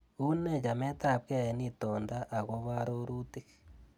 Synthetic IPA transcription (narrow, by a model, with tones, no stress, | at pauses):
u˦ne˦ja˨me˦t̪a˨pke˦˨je˦nit̪oːndaʔa˨ɣo˦βa˦ɾoɾuti˦ke̥